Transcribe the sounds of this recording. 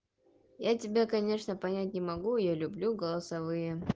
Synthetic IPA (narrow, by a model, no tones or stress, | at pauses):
jatʲɪbʲakɐnʲe̞ʂnəpɐnʲætʲnʲɪmɐɡujalʲʊblʲuɡəlˠəsɐvɨjə